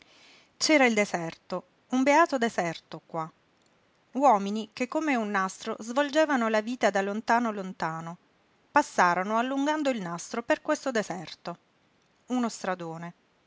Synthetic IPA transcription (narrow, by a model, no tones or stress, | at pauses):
t͡ʃɛːɾaild̪ezɛrt̪o | umbeaːt̪od̪ezɛrt̪okwa | wɔːminikekːomeunːast̪ɾozvold͡ʒeːvanolaviːt̪ad̪alont̪aːnolont̪aːno | pasːaːɾonoalːuŋɡand̪oilnast̪ɾoperkwest̪od̪ezɛrt̪o | unost̪ɾad̪oːne